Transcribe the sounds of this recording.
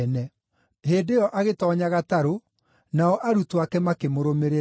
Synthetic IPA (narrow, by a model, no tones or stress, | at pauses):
nɛ | heːdejɔʔaɣetɔːɲaɣataɾo | naɔʔaɾutwakɛmakemoɾomeɾe